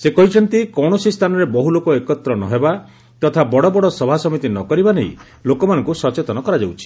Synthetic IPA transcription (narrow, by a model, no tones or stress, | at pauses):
sekɔɦit͡ʃʰɔnt̪ikɔwɳɔsist̪ʰanɔɾebɔɦulokoekɔt̪ɾɔnɔ̰ɦeba | t̪ɔt̪ʰabɔɽɔbɔɽɔsɔbʱasɔmit̪inɔkɔɾibanej | lokɔmanɔŋkusɔt͡ʃet̪ɔnɔkɔɾad͡ʒawt͡ʃʰi̥